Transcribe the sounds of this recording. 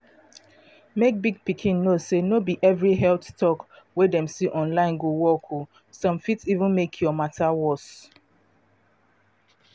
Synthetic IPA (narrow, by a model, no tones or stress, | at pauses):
mek̚biɡ̚pikʰĩnːosenobiʔɛvɹiɦɛltstɔk | wɛdɛ̃msiʔɔ̃nlãɪ̃nɡuwɔkʰu | sɔ̃mfitivũnmekʰjɔmatʰawɔs